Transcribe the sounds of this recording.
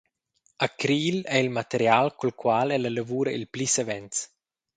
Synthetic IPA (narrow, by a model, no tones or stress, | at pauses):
akɾiːlɛilmat̪eɾjalkulkwalɛlələvuːɾəʔilplisevɛnt͡s